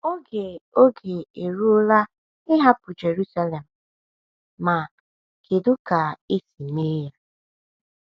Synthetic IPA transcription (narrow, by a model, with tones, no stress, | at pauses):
o˦ɡe˨o˦ɡe˨e˨ɾu˦ʊ˦la˦ | ɪ˦ɦa˦pʊ˨d͡ʒe˨ɾu˦sa˦le˨m̩˨ | ma˨ | kʰe˨dʊ˦ka˨e˦si˨ne˦ja˦